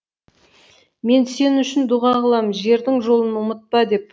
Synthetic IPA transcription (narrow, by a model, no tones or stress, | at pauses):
me̞nse̞nʏʃɪnd̪uʁɑʁəlˠɑmʒe̞ɾd̪ɪŋʒo̞lˠənʊmət̪̚pɑd̪e̞p̚